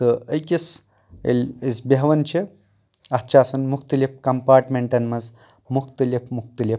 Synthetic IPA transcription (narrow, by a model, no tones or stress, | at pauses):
t̪ɨɐjkʲis | ḛlʲisbɐɦʋɐnt͡ʃʰe | ɐt͡ʃʰaːsɐnmukt̪ɐlip̚kɐmpaːɾʈmeɳʈɐnmɐz | mukt̪ɐlipʰmukt̪ɐlip̚